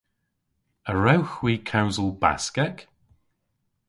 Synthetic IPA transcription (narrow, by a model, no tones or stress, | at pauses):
əɹɛwxwiːkʰawzəlˠba̰skɛk